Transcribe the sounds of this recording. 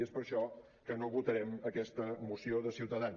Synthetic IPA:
espəɾʃɔ | kənoβut̪əɾɛməkɛst̪əmusioðəsiwt̪əðan

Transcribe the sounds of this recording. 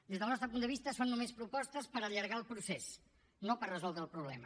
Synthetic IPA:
d̪ezðəlˠnɔst̪ɾəpund̪əβ̞ist̪əsonːumespɾupɔst̪əspəɾəʎəɾɣalˠpɾuses | nopərrəzɔlˠd̪ɾəlˠpɾuβlɛ̰mə

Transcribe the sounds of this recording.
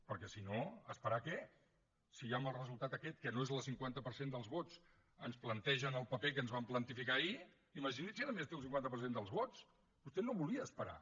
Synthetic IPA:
pəɾkɛsinoəspəɾakɛ | sijaməlˠrəzulˠt̪at̪əkɛt̪kənoezəlˠsiŋkwant̪əpəɾsend̪əlˠzβot͡s | ənsplənt̪ɛʒənəlˠpəpek̬ənzβamplənt̪ifikai | iməʒinit̪sinəmest̪eəlˠiŋkwant̪əp̬ərs̬end̪əlˠzβot͡s | bust̪ɛnoβuliəːspəɾa̰

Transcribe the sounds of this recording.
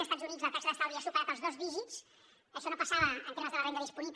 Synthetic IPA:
əst̪ad͡zzunid͡zzləp̪asəðəst̪alðiasukaaəpəlˠzðɔzβiʒis | əʃɔnopəsaβəːnt̪eməzðələβend̪əðispuniβ

